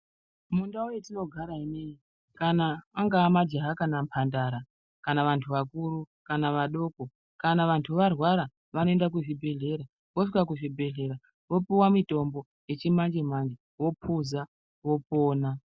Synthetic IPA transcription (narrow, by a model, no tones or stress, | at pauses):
mundaojetino̞ɡʱaɾaine̞i | kanaːŋɡaːmad͡ʒaɦakanampʰandaɾa | kanaʋantʰuʋakuɾu | kanaʋaɗo̞ːko | kanaʋantʰuʋarwaɾa | ʋano̞e̞ndak̬uʐibʱe̞ɮe̞ɾa | ʋo̞ʂikakuʐibʱe̞ɮe̞ɾa | ʋo̞piwamito̞mbo̞ | je̞t͡ʃimand͡ʒim̤and͡ʒi | wo̞pʰuza | ʋo̞po̞ːna